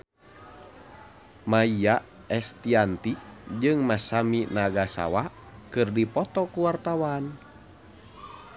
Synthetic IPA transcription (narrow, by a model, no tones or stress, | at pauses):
maia | ɛst̪iant̪id͡ʒɨŋmasaminaɡasa̰wa | kɨrdipɔt̪ɔkuwart̪awan